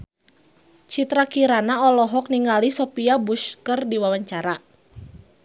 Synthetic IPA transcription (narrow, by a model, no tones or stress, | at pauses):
t͡ʃit̪ɾakiɾanaɔlɔɦɔk̚niŋalisɔpiabuʃkɨrdiwawaɲt͡ʃaɾa